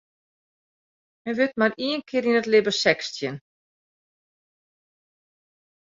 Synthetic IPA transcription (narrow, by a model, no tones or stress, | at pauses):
mɛʋɪtmariənkʰɪəɾinətlɪbəsɛkstjən